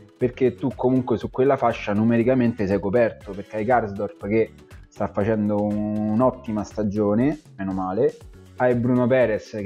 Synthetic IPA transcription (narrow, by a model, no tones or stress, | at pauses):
perk̟et̪ːukʰːomuŋkwesukːwelːafaʃːanumeɾikament̪esɛjkopɛrt̪operkeajkarzd̪ɔrpk̟e | st̪afːat͡ʃɛnd̪oːnɔt̪ːimast̪ad͡ʒoːnemɛnomaːle | ajbɾunopɛːɾes